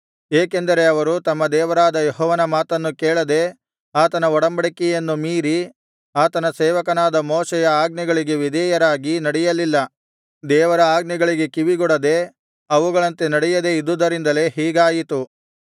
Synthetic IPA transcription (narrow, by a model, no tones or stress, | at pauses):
eːke̞nd̪ɐɾe̞ɐʋɐɾut̪ɐmːɐd̪ɛːʋɐɾaːd̪ɐjɔɦɔːʋɐnɐmaːt̪ɐnːukeːɭɐd̪e̞ | aːt̪ɐnɐɔɽɐmbɐɽikɛjɐnːumiːɾi | aːt̪ɐnɐsɛːʋɐkɐnaːd̪ɐmɔːʃɛjɐaːɡ̚niɡɐɭiɡe̞ʋid̪ʱɛjɐɾaːɡinɐɽɛjɐlilːɐ | d̪ɛːʋɐɾɐaːɡniɡɐɭiɡe̞kiʋiɡɔɽɐd̪e̞ | ɐʋuɡɐɭɐnt̪e̞nɐɽɛjɐd̪e̞id̪ud̪ɐɾind̪ɐle̞ɦiːɡaːjit̪u